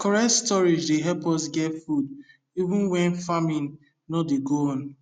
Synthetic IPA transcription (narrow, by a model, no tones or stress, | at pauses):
kɔɹɛtstɔɹid͡ʒdeɦɛpɔsɡɛtfud | ivũnwɛ̃nfamĩnː | ɔdeɡoɔ̃n